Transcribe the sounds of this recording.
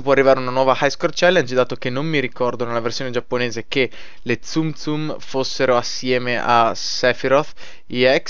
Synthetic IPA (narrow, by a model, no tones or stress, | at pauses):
ipwɔarːivaːɾeunanwɔːvahajskort͡ʃɛlːand͡ʒid̪aːt̪okenːomːiɾikɔrd̪onelːaversjoːned͡ʒapːoneːzeke | let̪sumt̪sumfosːeɾoasːjɛːmeʔa̰sɛfiɾot̪ | iɛk